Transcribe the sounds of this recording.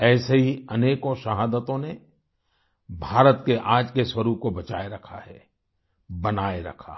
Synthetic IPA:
ɛːseɦiɐneːkõʃɐɦaːd̪ət̪õne | bʱaːɾət̪keʔaːd͡ʒkeswəɾuːb̚kobɐt͡ʃaːeɾɐkʰa̰ɦɛː | bɐnaːeɾɐ̰kʰa̰

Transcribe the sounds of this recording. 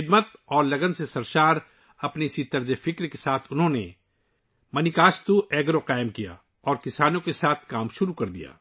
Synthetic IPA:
ɪd̪mət̪̚ɔːɾlɐɡənsesɐɾʃaːɾ | ɐpneɪsit̪ɐɾzefɪkɾkesaːt̪ʰʊnɦõne | mɐnɪkaːst̪uɛːɡɾoqaːɪmkija̰ | ɔːɾkɪsaːnõkesaːt̪ʰkaːmʃʊɾukɐɾd̪ija̰ː

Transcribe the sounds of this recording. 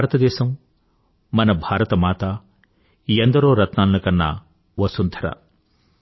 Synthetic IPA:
bʱaːɾɐt̪ɐd̪ɛːʃɐmː | ɐnɐbʱaːɾɐt̪ɐmaːt̪ɐ | iɐnd̪ɐɾoːɾɐt̪naːlɐnɐkɐnːɐ̰ | ʋɐsunt̪ʰɐɾɐ̰

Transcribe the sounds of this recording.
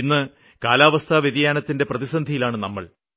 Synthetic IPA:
inːɨ | kaːlaːʋɐst̪ʰaːʋjeðijaːnɐt̪ːinde̞prɐðisɐnd̪ʱijilaːɳɨnɐmːɐ̰ɭ

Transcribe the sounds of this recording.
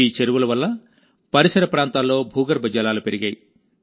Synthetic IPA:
iːt͡ʃeɾuʋulɐʋɐlːɐ | pɐɾisɐɾɐpɾaːnt̪aːlːo̞ːbʱuːɡɐɾbʱɐd͡ʒɐlaːlupe̞ɾiɡaːji

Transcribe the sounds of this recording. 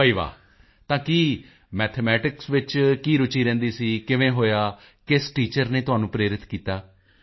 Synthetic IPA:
pəiːʋa̰ː | t̪ãːkiː | mɛːt̪ʰemɛːʈɪksʋɪt͡ʃkiːɾʊt͡ʃiːɾɛ̃ːnd̪iːsiːkɪʋẽːɦoːjaː | kɪsʈiːt͡ʃəɾneːt̪ʊaːnũːpɾeːɾɪt̪kiːt̪aː

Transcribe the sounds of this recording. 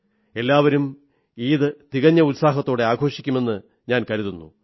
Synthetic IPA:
e̞lːaːʋɐɾum | iːðɨt̪iɣɐɲːɐut̪saːɦɐt̪ːo̞ːɽe̞aːɡʰʱo̞ːʂikʲːume̞nːɨ | ɲaːnkɐɾuðunːṵ

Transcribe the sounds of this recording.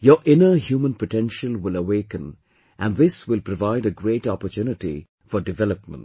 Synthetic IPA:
jɔʔɪ̃nəɦjuːmə̃npəʈɛ̃nʃəlwɪləweːkə̃n | ʔæ̃nðɪswɪlpɾɔvaɪɾəɡɾeːʈɔpətunɪʈḭ | fɔɖɪvɛləpmə̰̃nt

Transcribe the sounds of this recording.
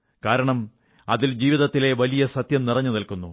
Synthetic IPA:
kaːɾɐɳɐm | ɐ̰ðild͡ʑiːʋiðɐt̪ːile̞ʋɐlijɐsɐt̪jɐmnirɐɲːunɐlkunːu

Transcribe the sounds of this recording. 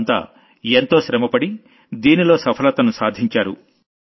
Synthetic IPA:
nt̪a̰ː | ent̪o̞ːʃɾɐmɐpɐɽi | d̪iːnilo̞ːsɐpʰɐlɐt̪ɐnusaːd̪ʱiɲt͡ʃaːɾṵ

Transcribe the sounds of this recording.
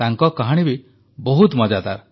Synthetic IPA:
aŋkɔkaɦaɽ̃ibi | bɔɦut̪mɔd͡ʒad̪aɾ

